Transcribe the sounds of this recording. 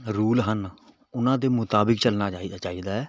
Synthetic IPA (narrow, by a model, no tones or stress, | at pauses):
ɾuːlɦən | ʊnãːd̪eːmʊt̪aːbɪkt͡ʃəlnaːt͡ʃaːid̪at͡ʃaːid̪aːɛː